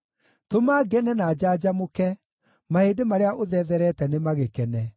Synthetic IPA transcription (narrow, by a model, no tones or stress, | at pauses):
tomaːɡɛnɛnad͡ʑad͡ʑamokɛ | mahedemaɾeaʔoðɛðɛɾɛtɛnemaɣekɛnɛ